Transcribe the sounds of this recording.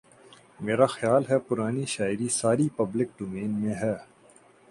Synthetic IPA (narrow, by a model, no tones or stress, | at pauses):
meːɾaxjaːlɦɛpʊɾaːniʃaːɪɾisaːɾipɐblɪk̚ɖoːmeːnmẽɦɛː